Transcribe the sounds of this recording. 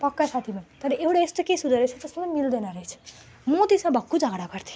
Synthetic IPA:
pʌkːasat̪ʰimat̪ʌɾʌʔewɽaest̪okesud̪ʌɾet͡sʰʌt̪esamamild̪ʌnaɾʌɦjt͡sʰu̥ | mot̪ismãbʱʌkːud͡zʱʌɡɽakʌrt̪ʰi̥

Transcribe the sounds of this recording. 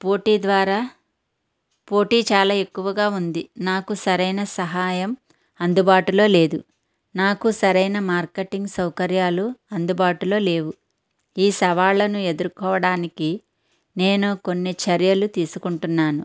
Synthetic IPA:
po̞ːʈiːd̪ʋaːɾaː | po̞ːʈiːt͡ʃaːlaːe̞kːuʋɐɡaːund̪inaːkusɐɾɐjnɐsɐɦaːjɐm | ɐnd̪ubaːʈulo̞ːle̞ːd̪u | naːkusɐɾɐjnɐmaːɾkeʈːiŋɡsɐwkɐɾjaːluɐnd̪ubaːʈulo̞ːle̞ːʋu | iːsɐʋaːɭːɐnue̞d̪uɾkɔːʋɐɽaːniki | ne̞ːnuko̞nːit͡ʃɐɾjɐlut̪iːsukuɳʈunːaːnu

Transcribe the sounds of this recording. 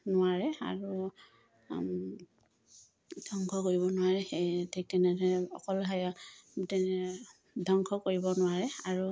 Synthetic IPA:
nʊwaɹɛa̰ɹu | dʱɔŋkʰɔkoɹibɔnʊwaɹɛxetʰɛk̚tɛnɛdɛɔ̰kɔlɦajatɛ | dʱɔŋkʰɔkoɹibɔnʊwaɹɛaɹu

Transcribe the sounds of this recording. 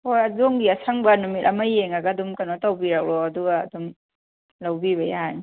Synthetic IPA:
hojɐdoŋɡiɐsʰaŋbɐnumit̚ɐmajːeŋaɡɐːdumkanɔtawbiɾak̚ɾɔːduɡa̰ːdum | lawbiβɐjani

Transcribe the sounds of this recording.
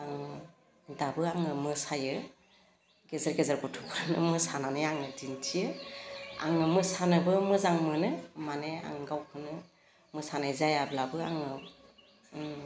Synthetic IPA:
aŋ | dabɯaŋɯmɯsajɯ | ɡezaɾɡezaɾɡɔtʰukʰanɯ̰mɯsananɯjaŋɯdintʰijɯ | a̰ŋɯmɯsanɯbɯmɯzaŋmɯnɯmanea̰ŋɡawkʰɯnɯ | mɯsanajzajablabɯa̰ŋɯ

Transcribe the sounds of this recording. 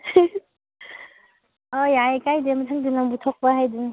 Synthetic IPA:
ɔjajkajdemɯtʰaŋdɯnaŋbutʰɔk̚paɦajdu

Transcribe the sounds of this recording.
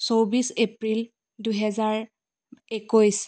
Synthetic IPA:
sowbisepɹil | dujɦɛzaɹ | ekojs

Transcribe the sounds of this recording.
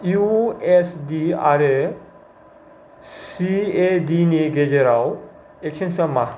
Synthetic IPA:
juesdia̰ɾe | ssiedineɡed͡ʒeɾaw | ekt͡ʃʰensɐma

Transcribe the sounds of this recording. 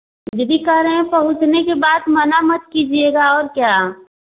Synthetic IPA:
d͡ʒd̪ikaɾẽpɐɦʊt͡ʃnekebaːd̪mɐnamɐt̪̚kid͡ʒieːɡaɔːɾkjaː

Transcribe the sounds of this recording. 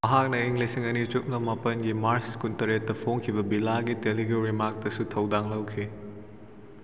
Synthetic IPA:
mɐɦak̚nɐiŋlisiŋɐnit͡ʃut̚nɐmɐpɐnɡimaɾskuntɐɾet̚ːɐpʰoŋkʰibɐbilaɡiteliɡeɾimak̚tɐsutʰɐwdaŋlɐwkʰi

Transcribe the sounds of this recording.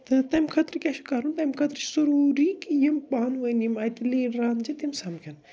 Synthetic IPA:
t̪ɨt̪ɐmkʰɐt̪ɾkʲaʃu̥kaɾunt̪ɐmkʰɐt̪ɾ̥suɾuɾikjɐmpaːnʋɐnimajt̪ɨleːɖɾaːnd͡ʒit̪imsɐmkʲʰɐn

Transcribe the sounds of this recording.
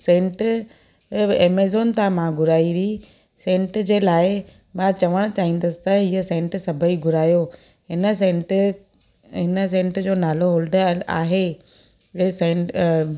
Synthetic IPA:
sẽːɳʈ | eːmeːzoːnt̪ãmãɡʱʊɾaːiʋi | sẽːɳʈd͡ʑeːlaːɪ | mãt͡ɕɐʋəɽ̃ʊt͡ɕaːɦĩːn̆d̪əsɪ̥t̪ɐɦiːəsẽːɳʈsɐbʱəiɡʱʊɾaːjo | ɦɪnəsẽːɳʈ | ɦɪnə̆s̬ẽːɳʈd͡ʑoːnaːloɦoːlɖa̰ːɦe | sẽːʈ

